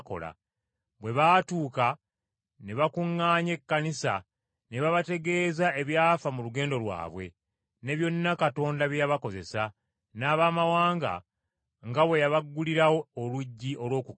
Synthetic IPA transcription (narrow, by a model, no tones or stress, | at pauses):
ko̞̰la̰ | βwe̞βaːtuːka | ne̞βakuŋːaːɲe̞kːanisa̰ | ne̞βaβate̞ɡe̞ːzae̞βjaːfamuluɡe̞ːndo̞lwa̰ːβwe̞̰ | ne̞βjo̞nːakato̞ːndaβjaβako̞ze̞sa | naːβaːmawaːŋɡa̰ | ŋɡaβwe̞jaβaɡːuliɾawo̞ːluɟːiʔo̞lwo̞ːku